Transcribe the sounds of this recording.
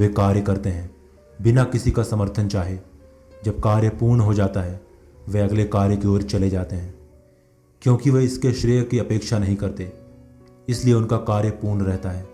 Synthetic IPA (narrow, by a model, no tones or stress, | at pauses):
ekaːɾjəkɐɾt̪eɦɛ̃ː | bɪnakɪsikasɐməɾt̪ʰənt͡ʃaːɦie | d͡ʒɐb̚kaːɾjəpuːɾnɦod͡ʒaːt̪aɦɛ | ʋeɐɡlekaːɾjəkeoːɾt͡ʃɐled͡ʒaːt̪eɦɛ̃ː | kjõːkiʋeɪskeʃɾiːəkːiɐpeːkʃanɐɦĩkɐɾt̪eː | ɪslieʊnkakaːɾjəpuːɾnɾɛɦt̪aɦɛː